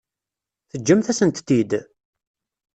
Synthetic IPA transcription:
θəd͡ʒːəmθæsənt̪ːid̪

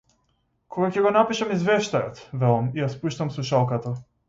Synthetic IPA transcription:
kʰoɡakɛɡɔnapiʃamizvɛʃt̪ajɔt̪vɛlˠamijaspuʃt̪amsˠuʃalˠkat̪a

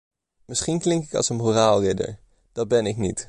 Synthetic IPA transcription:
mɪsχinklɪŋkɪkɑ̰lˠsənɦuːraːlˠrɪdə̰ɹ | d̥ɑd̚bɛnɪknit

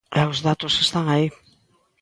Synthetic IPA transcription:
eozðat̪osest̪aŋai

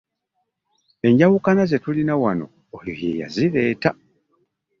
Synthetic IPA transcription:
e̞ɲɟawukanaze̞tulinawano̞̰ | ojojḛja̰ziɾeːta

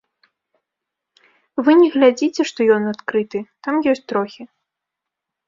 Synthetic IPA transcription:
vɨnʲɛɣlʲad͡zʲit͡sʲɛʂt̪ɔjɔnat̪kɾɨt̪ɨt̪amjɔsʲtʲt͡sʲt̪ɾɔxʲi

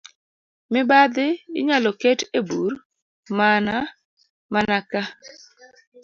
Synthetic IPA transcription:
mɪbad̪ɪɪ̰ɲalɔkɛtebuɾ | mana | manaka

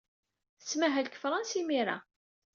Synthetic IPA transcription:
θəsmæɦælkə̥fɾˤɑnsimiɾa̰

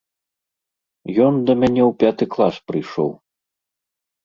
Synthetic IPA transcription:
jɔnd̪ɐmʲanʲɛwpʲat̪ɨklˠaspɾɨjʂɔ̰w

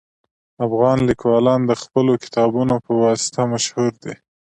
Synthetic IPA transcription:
afɣɑnlikwɑlɑnd̪əxpəlokɪ̥t̪ɑbunopəwɑsɪ̥t̪amaʃhuɾd̪e

